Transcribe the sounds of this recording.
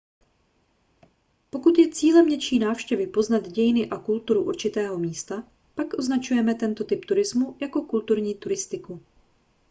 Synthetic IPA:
po̞kut̪jɛt͡siːlɛmɲɛt͡ʃiːnaːfʃcɛvɪpo̞znad̪ɟɛjɪnɪʔakult̪uɾuʔṵɾt͡ʃɪt̪ɛːɦo̞miːst̪a | pakʔoznat͡ʃujɛmɛt̪ɛnt̪o̞t̪ɪpt̪uɾɪzmujako̞kult̪uɾɲiːt̪uɾɪst̪ɪku

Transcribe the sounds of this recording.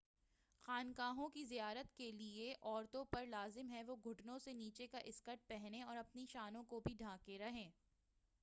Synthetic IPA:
xaːnkaːɦõkizijaːɾət̪kelieʔɔːɾt̪õpɐɾlaːzɪmɦɛʋoɡʱʊʈnõseniːt͡ʃekaʔɪskəʈ̚pɛɦneɔːɾɐpniʃaːnõkobʱiɖʱãːkeɾɐɦẽː

